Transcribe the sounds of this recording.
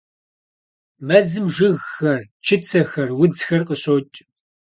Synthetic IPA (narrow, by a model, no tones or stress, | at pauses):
mɐzɨmʒɨɣxɐrt͡ʃʰɪt͡sʰɐxɐrwʊd͡zxɐrqəɕot͡ʃʼ